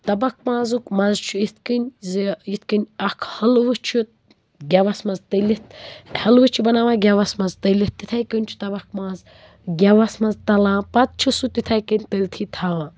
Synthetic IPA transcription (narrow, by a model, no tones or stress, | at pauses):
t̪ɐbɐk̚maːzukmɐzt͡ʃʰuit̪ʰkənʲziit̪ʰkɨnʲɐkʰhɐlʋɨt͡ʃʰut̪̚ | ɡʲɐʋɐsmɐzt̪əlit̪hɐlʋɨt͡ʃʰibɐnaːʋãːɡʲɐʋɐsmɐzt̪əlit̪ːit̪ʰajkənʲt͡ʃʰu̥t̪ɐbɐkmaːz | ɡʲɐʋɐsmɐzt̪ɐlãːpɐt̪̚t͡ʃʰisut̪it̪ʰajkənʲt̪əlʲt̪ʰit̪ʰaːʋaː